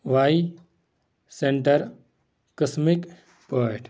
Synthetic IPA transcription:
ʋai | seɳʈɐɾ | kəsmik | poʈ

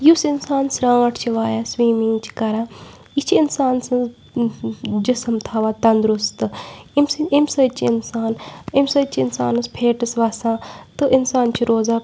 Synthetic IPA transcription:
jusinsaːnsɾãːɐʈʰt͡ʃʰiʋaːjaːswiːmiŋɡt͡ʃʰi̥kɐɾãː | it͡ʃʰiinsaːnsɨ̃ | d͡ʒisɐmt̪ʰaːʋaːt̪ɐnd̪ɾust̪ɨimimsɐt͡ʃʰiɪnsaːnimsɐt͡ʃʰiɪnsa̰ːnɨspʰeːʈɐsʋaːsãːt̪ɨʔinsaːnt͡ʃʰiɾoːzaː

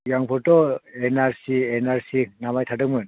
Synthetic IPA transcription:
jaŋpʰɔɾtɔenaɾsienaɾsinamajtʰadɯkmɯn

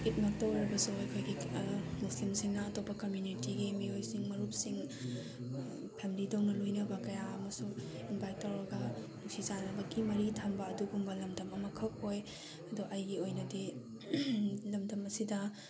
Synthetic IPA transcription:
kit̚mak̚tɐwɾɐbɐsuɐjkʰojɡimuslimsiŋnɐːtopːɐkɐmjunitiɡimiojsiŋmɐɾup̚siŋ | pʰɛmilidownɐlojnɐbɐkɐjaɐmɐsu | inbajk̚tːɐwɾɐɡɐluk̚sizanɐbɐɡimɐɾitʰɐmbɐːduɡumbɐlɐmdɐmɐmɐkʰɐk̚hoj | ɐdɔʔɐjɡiojnɐdi | lɐmdɐmɐsidɐ

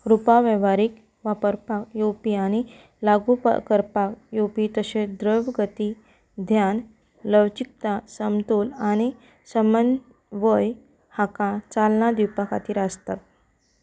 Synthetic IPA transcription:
ɾupaʋəʋaɾik | ʋapəɾpakjopiañi | laɡupa̰kəɾpakjopit̪əɕẽd̪ɾəʋɡət̪i | d̪ʱjan | ləwt͡ɕik̚t̪asəmt̪ulañi | səmən | ʋəj | hakãt͡salnad̪iwpaka̰t̪iːɾast̪at̪̚

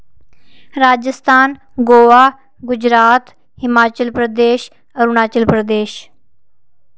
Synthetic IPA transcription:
ɾaːd͡ʒəst̪ʰaːn | ɡoːaː | ɡʊd͡ʒɾaːt̪ | hɪmaːt͡ʃəlpɾəd̪eːʃ | əɾunaːt͡ʃəlpɾəd̪eːʃ

